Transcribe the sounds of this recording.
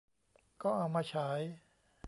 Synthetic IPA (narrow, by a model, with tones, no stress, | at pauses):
kɔː˥˩ʔa˧wmaː˧t͡ɕʰa˦j